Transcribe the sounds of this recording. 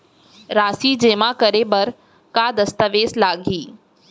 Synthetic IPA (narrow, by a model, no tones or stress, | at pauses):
ɾaːsid͡ʒeːmakəɾebɐɾ | kad̪ɐst̪əʋeːslaːɡʱiː